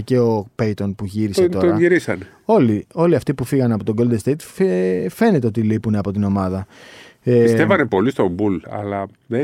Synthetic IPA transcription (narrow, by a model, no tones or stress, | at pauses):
ce̞o̞pejt̪o̞npuʝiɾiset̪ooɾɐʝiɾisɐn | o̞lio̞liɐft̪ipufiɣɐnɐpo̞t̪o̞ɡo̞ld̪est̪ejt̪ffe̞ne̞t̪e̞o̞t̪ilipuneɐpo̞t̪ino̞mɐðɐ | eistevɐnepo̞list̪o̞bulɐ̰lɐ | ðe